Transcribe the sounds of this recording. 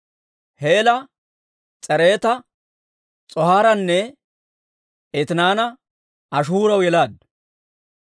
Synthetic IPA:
heːlɐ | t͡sʼɛɾe̞ːt̪ɐ | t͡sʼɔhaːɾɐnːɛ | et̪ɪnaːnɐ | ɐʃ̬uːɾɐwjɛlaːd̪̚

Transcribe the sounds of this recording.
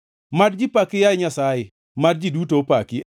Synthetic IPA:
madd͡ʒɪpakɪjaɲasajɪ | mad̚d͡ʒidutopakɪ

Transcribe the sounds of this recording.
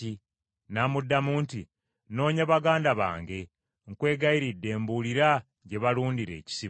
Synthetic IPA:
i | naːmudːamuːntḭ | no̞ːɲaβaɡaːndaβa̰ːŋɡe̞ | ŋkwe̞ːɡaiɾidːe̞ːmbuliɾa | ɟe̞βaluːndiɾe̞̰ːci̥si

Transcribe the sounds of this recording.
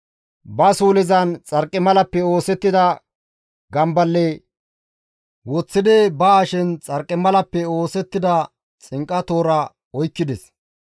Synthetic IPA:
bɐsuːlɪzɐnt͡sʼɐɾkʼːɪmɐlɐpːɛo̞ːsɛt̪ːɪd̪ɐ | ɡɐmbɐlːe | wɔt͡sːɪd̪ɛbɐaʃɛnt͡sʼɐɾkʼːɪmɐlɐpːɛo̞ːsɛt̪ːɪd̪ɐ | t͡sʼɪŋkʼɐt̪o̞ːɾɐ | ɔjkːɪd̪ɛs

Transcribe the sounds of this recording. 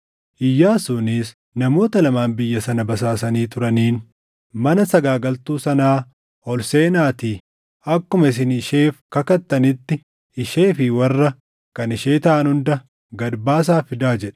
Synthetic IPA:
ʔɪjːaːsuːnɪs | nɐmo̞ːt̪ɐlɐmaːnbɪjːɐsɐnɐbɐs̬aːs̬ɐniːt̪ʊɾɐniːn | mɐnɐsɐɡaːɡɐlt̪uːsɐnaː | hɔlseːnaːt̪iː | ɐkːʊmɐɪs̬ɪnɪʃe̞ːfkɐkɐt̪ːɐnɪt̪ːɪ | ɪʃe̞ːfɪwɐrːɐ | kɐnɪʃe̞ːt̪ɐʔɐnhʊnd̪ɐ | ɡɐd̪baːs̬aːfɪd̪aːd͡ʒɛᶑ̥

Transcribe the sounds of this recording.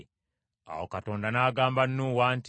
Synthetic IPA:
a̰wokatoːndanaːɡaːmbanːuːwaːnt

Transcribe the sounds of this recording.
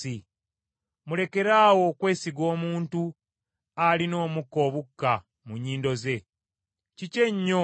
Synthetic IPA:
i | mule̞ke̞ɾaːwo̞kwe̞ːsiɡo̞ːmuːntu | alino̞ːmukːo̞ːβukːa | muɲiːndo̞ze̞ | cice̞ɲːo

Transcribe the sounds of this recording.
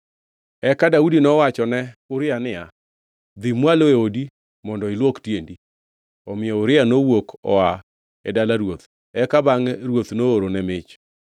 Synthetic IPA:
ɛkadaudinɔwat͡ʃɔnɛʊɾɪanɪa | d̪imwaloeodi | mɔndɔɪlwoktjendi | ɔmɪɔʊɾɪanowokɔ̰a | ɛdalaɾwot̪ | ɛkabaŋɾwot̪nooɾonɛmɪt͡ʃ

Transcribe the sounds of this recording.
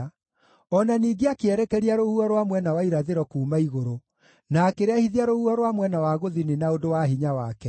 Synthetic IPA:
ɔnaniːɡeakeɛɾɛkɛɾiaɾohuɔɾwamwɛnawaiɾaðeɾɔkuːmaiɣoɾo | nakeɾeahiðiaɾohuɔɾwamwɛnawaɣoðinenaodowaɦiɲawakɛ

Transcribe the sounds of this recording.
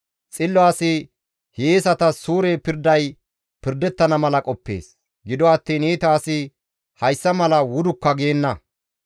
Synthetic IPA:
t͡sʼɪlːɔaːsɪ | heːsɐt̪ɐsuːɾeːpɪɾd̪ɐj | pɪɾd̪ɛt̪ːɐnɐmɐlɐkʼɔpːe̞̰ːs | ɡɪd̪ɔɐt̪ːiːneːt̪aːsɪ | hɐjsːɐmɐlɐwʊd̪ʊkːɐɡejɛnːɐ

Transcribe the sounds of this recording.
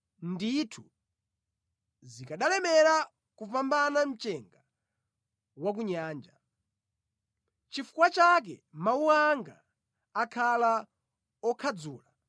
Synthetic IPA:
nditʰu | zikaɗalɛmɛɾa | kuvambanam̩t͡ʃɛŋɡa | wak̬uɲaːnd͡ʒa | t͡ʃifu̥kwat͡ʃak̬ɛ̰mauaŋɡa̰ː | kʰala | ɔkʰad͡zuːla

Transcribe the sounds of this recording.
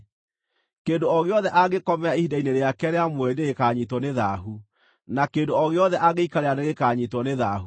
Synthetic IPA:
keːndoɔɣeɔðɛʔaɣekɔmɛaihidaineɾeakɛɾeamwɛneɣekaːɲitɔneðaɦu | nakeːndoɔɣeɔðɛʔaɣeikaɾeaneɣekaɲitwɔneðaɦu

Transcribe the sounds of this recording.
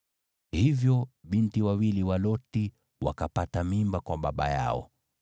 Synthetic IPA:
hivjɔɓintiwawiliwalɔti | wa̰kapatamimbakwaɓaɓa̰ja̰ɔ̰

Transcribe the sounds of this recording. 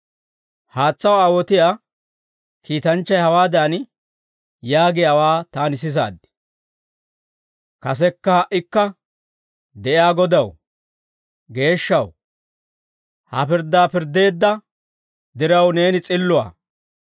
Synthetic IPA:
haːt͡sːɐwaːwɔt̪ɪjaː | kʰiːt̪ɐnt͡ʃːɐjhɐwaːd̪aːn | jaːɡɪjawaːt̪aːnɪs̬ɪs̬a̰ːd̪ːɪ̥ | kɐs̬ɛkːɐhɐʔɪkːɐ | d̪ɛʔɪaːɡɔd̪ɐw | ɡe̞ːʃːɐw | hɐ̰pɪɾd̪ːaːpɪɾd̪e̞ːd̪ːɐ | d̪ɪɾɐwne̞ːnɪt͡sʼɪlːʊwa̰ː

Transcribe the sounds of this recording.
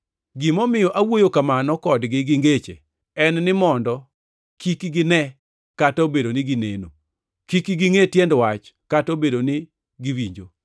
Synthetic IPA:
ɡɪmɔmɪjɔʔawojokamanɔkɔdɡɪɡɪŋɡet͡ʃḛ | ɛnnɪmɔndɔ | kikiɡɪnɛ | katobedonɪɡinḛno | kikiɡiŋetjɛndwat͡ʃkatobedonɪ | ɡiwiɲd͡ʒo

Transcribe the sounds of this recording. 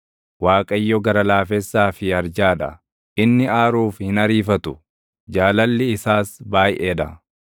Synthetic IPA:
waːkʼɐjːɔɡɐɾɐlaːfɛsːaːfɪɐɾd͡ʒaːᶑɐ̰ | ʔɪnːɪaːɾuːfhɪnɐɾiːfɐt̪ʊ | d͡ʒaːlɐlːɪɪsaːsbaːjʔeːᶑɐ

